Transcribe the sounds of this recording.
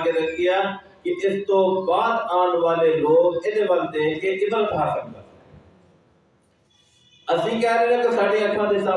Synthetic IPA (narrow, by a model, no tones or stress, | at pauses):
ɡeːɾəkd̪ɪjaː | kɪʔɪst̪õːbaːd̪aːɳʋaːleːloːkɪd̪eːbəlt̪eːʔeːʔɪd̪əlʈʰaːsək̚d̪aː | əsĩːkɛːɾeːẽːt̪aːsaːɖeːəkʰːãːd̪eːsa